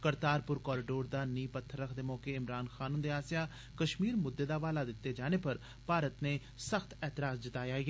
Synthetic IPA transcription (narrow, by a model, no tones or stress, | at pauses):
kəɾt̪aːɾpʊɾkɔːɾɪɖoːɾd̪aːniːpət̪ʰːəɾːəkʰd̪eːmɔːkeːɪmɾaːnxʰaːnʊ̃nd̪eːaːsjaː | kəʃmiːɾmʊd̪ːeːd̪aːʋaːlaːd̪ɪt̪ːeːd͡ʒaːneːpəɾ | paːɾət̪neː | səxʰt̪ɛːt̪ɪɾaːzd͡ʒɪt̪aːjaːiɡː